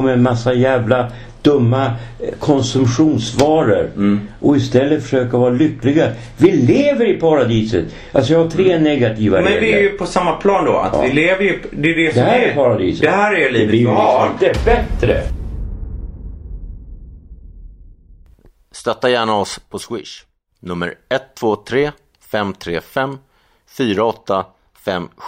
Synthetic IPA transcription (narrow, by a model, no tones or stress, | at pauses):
mɛɛnmasːajæːvla | d̪̥ɵmːakʰɔnsɵmɧuːnsvɑːɾə̰ɾʔɔɪst̪ɛlːət̪fœ̥ʂøːkaɾvɑːɾalʏkːlɪɡa | vɪleːvəɾɪpʰaɾad̪iːsə̰t̪ | ʔalsɔjɑhaʈʰɾeːnɛɡat̪ʰiːvaɾmɛnːvɪæɾjɵpʰɔsamːapʰlɑːnd̪ɔ̰a̰t̪vɪleːvəjd̪ɛɖɛsd̪ɛhæːɾɛpaɾad̪ḭːsəd̪ɛhæːɾæliɛːvətɪɛbɛt̪ɾə̰ | st̪œt̪ːajæːɳaɔspʰɔswɪ̰ʂ | nɵmːə̰ɾɛt̪ʰːv̥oːt̪ʰɾeː | fɛmt̪ʰɾeːfɛmː | fyːɾaɔt̪ːa | fɛmː